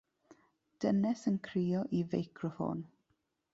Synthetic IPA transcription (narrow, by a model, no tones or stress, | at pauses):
d̥ənɛsənkʰriːɔʔivejkʰrɔfo̰ːn